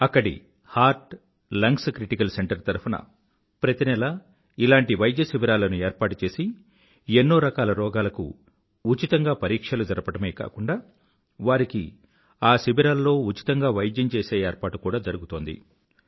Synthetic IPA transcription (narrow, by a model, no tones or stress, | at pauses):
ɐkːɐɽḭ | haːɾʈ | lɐŋkskɾiʈikɐlse̞ɳʈɐɾt̪ɐɾpunɐ̰ | pɾɐt̪inɛlɐ | ilaːɳʈiʋɐjd̪jɐsibiɾaːlɐnue̞ːɾpaːʈut͡ʃe̞ːsi | enːoːɾɐkaːlɐɾɔːɡaːlɐkṵ | ut͡ʃit̪ɐŋɡaːpɐɾiːkʂɐlud͡ʒɐɾɐpɐɽɐmeːka̰ːkuɳɖaː | ʋaːɾiki | aːsibiɾaːlːo̞ːut͡ʃi̥t̪ɐŋɡaːʋɐjd̪jɐmt͡ʃeːse̞ːeːɾpaːʈukuːɽaːd͡ʒɐɾuɡut̪oːnd̪ḭ